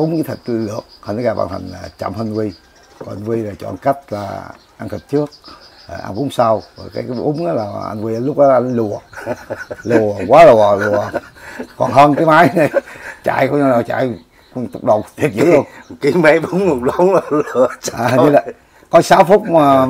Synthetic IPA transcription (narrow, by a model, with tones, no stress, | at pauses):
ʔʊ˨˦ŋ͡mɨ˨˦t̪ʰi˨˩t̚lɨ˨˩ək̚hə˧nə˨˦ɣaː˧˩ɓa̰ː˧˨nt̪ʰa˨˩ŋ̟la̰ː˨˩t͡ɕa̰˧˨˩mhə˧nvi˧ | kɔ˨˩nʔa˧nvi˧laː˨˩t͡ɕɔ̰˧˨nka˦˥jk̟̚la̰ː˨˩ | ʔa˧nt̪ʰə˨˩t̚t͡ɕɨ˦˥ək̚ə˨˩ʔa̰˧nʔʊ̰˨˦ŋ͡msa˧wvə˨˩kaː˨˦jkːʔʊ˨˦ŋ͡mʔaː˨˦laː˨˩˨ʔa̰˧nvi˧ʔaː˨˦lʊ˦˥k͡p̚ɗɔ˨˦˧nlu˨˩ə | lu˨˩əkwaː˨˦lu˨˩əlu˨˩əkɔ̰˨˩nɦəː˧nkaː˨˦maː˨˦jnə˨˩jt͡ɕa̰ː˧˨jkɔ˨˧˦ɲa˧˩na˨˩t͡ɕa̰ː˧˨j | t̪ʊ˨˩k͡p̚ɗə˨˩wŋ͡mt̪ʰi˨˩əp̚zɨ˦˧˨lu˧əki˨˦ma˨˦ɓo˨˦ŋ͡mmo˨˩ŋ͡mɗɔ˨˦n˨lu˨˩t͡ɕʔaː˨ɲɨ˧˦la˨˩ | kɔ˨˦saː˨˦wfʊ˦˥k͡p̚ma˨˩